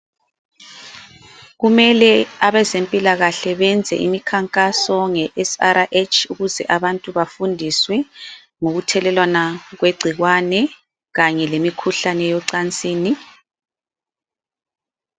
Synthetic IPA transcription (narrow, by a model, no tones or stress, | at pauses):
ɣumɛlɛaβɛzempʼilaɣaɬɛβɛnd͡zʱɛ̰ʔḭmikʰaŋkʼasɔŋɛʔɛsaɾaʔet͡ʃʰuɣuzɛʔaβantʼuβafundʱiswɛ | ŋoɣutʰɛlɛlwanaɣweɡ͡ǀʱiɣwanɛ | ɣaɲɛlemikʰuɬanɛjɔǀant͡sʼiːni